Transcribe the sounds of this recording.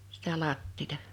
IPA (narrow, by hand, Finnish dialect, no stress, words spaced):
si̥tæ lɑˑtːiːtɑ